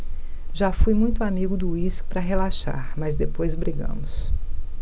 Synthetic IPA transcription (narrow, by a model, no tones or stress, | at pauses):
ʒafujmũj̃t̪ʊamiɡʊd̪ʊispɾɐɦelaʃa̰ɾmɐzd̪epojzbɾiɡɐ̰̃mʊs